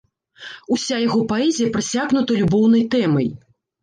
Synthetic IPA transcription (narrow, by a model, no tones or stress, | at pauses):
usʲajaɣɔpaɛzʲijɐpɾasʲaɣnut̪ɐlʲubɔwnɐjt̪ɛmɐ̰j